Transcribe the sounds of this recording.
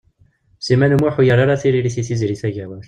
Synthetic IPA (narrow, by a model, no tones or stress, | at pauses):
simænumuħujaɾˤaɾˤaθiɾiɾiθiθizɾiθæʝæwæɾ